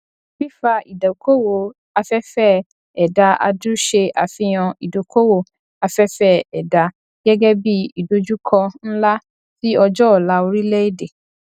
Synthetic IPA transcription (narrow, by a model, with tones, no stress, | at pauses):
fi˦fa˧i˨da˨ko˦wo˨ | a˧fɛ˦fɛ˦˨ | ɛ˨da˧a̰˧du˦ʃe˧ʔa˨fĩ˧j̃ã˧i˨do˨kʰo˦wo˦˨ | a˧fɛ˦fɛ˦ɛ˨da˧ | ɡ̥ɛ˦ɡɛ˦bi˦i˨do˨˧d͡ʒu˦kʰɔ̃˧n̩˦la˦ | ti˦ɔ˧d͡ʒɔ˦ɔ˨la˦o˧ɾi˦lɛ˦i˦˨de˨